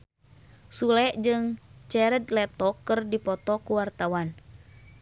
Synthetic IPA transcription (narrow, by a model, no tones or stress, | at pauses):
sulɛʔd͡ʒɨŋt͡ʃɛɾəd̪lɛt̪ɔkːɨrdipɔt̪ɔkuwart̪awan